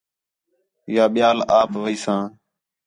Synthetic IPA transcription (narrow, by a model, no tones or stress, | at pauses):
jaːɓɪjaːlaːpʋəiːsãː